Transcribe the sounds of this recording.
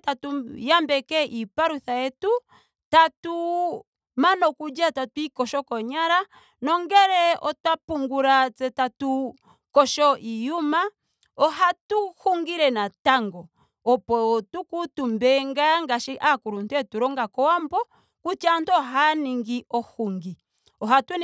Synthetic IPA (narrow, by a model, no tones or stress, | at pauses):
tatujambɛkɛʔipaɾuθajɛtu | tatu | manɔkud͡ʒatatuikɔʃɔkɔɲaɾa | nɔŋɡɛɾɛɔ̰tapuŋɡuɾat͡sɛtatu | kɔʃɔʔijuma | ɔɦatuhuŋɡiɾɛnataŋɡɔ | ɔpɔtukutumbɛŋɡaŋɡaʃiʔakuɾuntɛtuɾɔŋɡakɔwambɔ | kut͡ʃantɔɦaniŋɡiʔɔhuŋɡi | ɔɦatwɛ